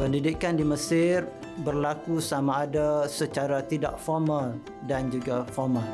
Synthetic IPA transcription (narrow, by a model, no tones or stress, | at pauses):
pəndidikandiməsɪr | bərlakusamaːdasət͡ʃaɾat̪ida̰ʔfɔrmal | dand͡ʒuɡafɔrmal